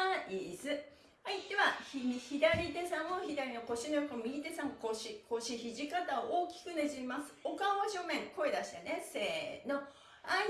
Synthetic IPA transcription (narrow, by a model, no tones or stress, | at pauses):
izɨ | ait̪ːe̞βaçiɲiçid̪aɾʲid̪e̞sãmoçid̪aɾʲino̞ko̞ɕinojokomʲiɡʲit̪e̞sãŋkoɕiko̞ɕiçiʑikat̪aoʔoːkʲi̥kɯ̟neʑiimasɨ̥okãaɕo̞mẽ̞ŋko̞ed̪aɕi̥t̪ene̞se̞ːno̞ | a